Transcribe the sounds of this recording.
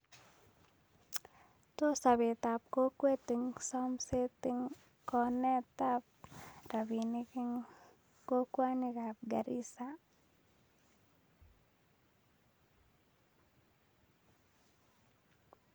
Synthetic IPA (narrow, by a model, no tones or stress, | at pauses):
t̪osabet̪ap̚kokwet̪ɪŋsamset̪ɪŋ | kɔnɛt̪ap̚ɾabinikɪŋ | kokwanikap̚ɡaɾḭsa